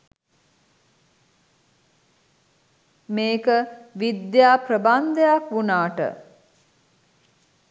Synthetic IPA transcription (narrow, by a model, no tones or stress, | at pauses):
meːkəʋid̪jaːpɾəband̪əjakʋunaːʈə̰